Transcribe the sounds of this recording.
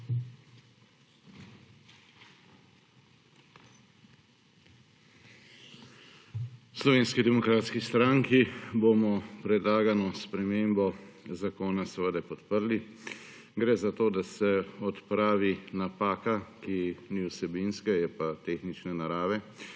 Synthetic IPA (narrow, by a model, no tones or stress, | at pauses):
slɔʋeːnskid̪ɛmɔkɾaːt̪skist̪ɾaŋkibomɔpɾɛd̪laːɡanɔspɾɛmeːmbɔzakoːnasɛʋəd̪apɔt̪pəɾli | ɡɾɛzat̪oːd̪asɛɔt̪pɾaːʋinapaːkakiniwsɛbinskɛjɛpat̪eːxnit͡ʃnɛnaɾaːʋɛ